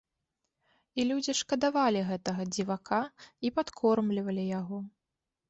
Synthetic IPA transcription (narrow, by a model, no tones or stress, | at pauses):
ilʲud͡zʲiʂkɐd̪avalʲiɣɛt̪ɐɣɐd͡zʲivakʰaipat̪kʰɔrmlʲivɐlʲijaɣɔ